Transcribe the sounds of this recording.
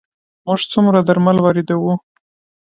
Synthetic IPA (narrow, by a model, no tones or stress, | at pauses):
mʊʐt͡sumɾad̪aɾmalwɑɾed̪awu